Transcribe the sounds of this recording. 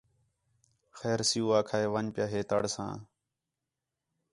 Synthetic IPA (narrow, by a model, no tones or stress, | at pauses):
xɛːɾsɪjuːaːkʰaːeːʋəɲpjaːɦeːt̪ə̰ɽsã̰ː